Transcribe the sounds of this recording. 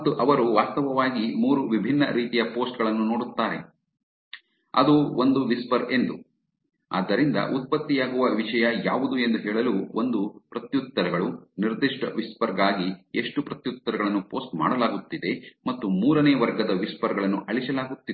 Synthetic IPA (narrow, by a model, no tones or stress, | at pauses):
ɐt̪ːuʔɐʋɐɾuʋaːst̪ɐʋɐʋaːɡimuːɾuʋibʱinːɐɾiːt̪ijɐpo̞ːsʈɡɐɭɐnːunoːɽut̪ːaːɾe̞̰ | ɐ̰d̪uond̪uʋispɐɾe̞nd̪u | a̰ːd̪ːɐɾind̪ɐ̰ʔut̪̚pɐt̪ːijaːɡuʋɐʋiʂɐjɐjaːʋud̪ue̞nd̪uɦɛːɭɐluːond̪upɾɐt̪jut̪ːɐɾɐɡɐɭuniɾd̪iʂʈɐʋispɐɾɡaːɡie̞ʂʈupɾɐt̪jut̪ːɐɾɐɡɐɭɐnːupo̞ːsʈma̰ːɽɐlaːɡut̪ːid̪e̞mɐt̪ːumuːɾɐneːʋɐɾɡɐd̪ɐʋispɐɾɡɐɭɐnːuʔɐɭisɐlaːɡut̪ːi